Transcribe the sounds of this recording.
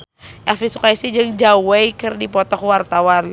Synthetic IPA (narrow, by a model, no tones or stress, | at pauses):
ʔɛfisukaisid͡ʒəŋd͡ʒawejkɨrdipɔt̪ɔkwart̪awan